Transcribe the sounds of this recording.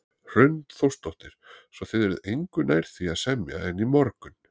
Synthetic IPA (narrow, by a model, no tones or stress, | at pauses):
r̥ʏɥnt̪θowst̪ɔht̪ɪɾ̥sɔθɪðɛɾʏðejŋkʏnaːjɾ̥θiaðsɛmja̰ɛnːimɔɾkʏn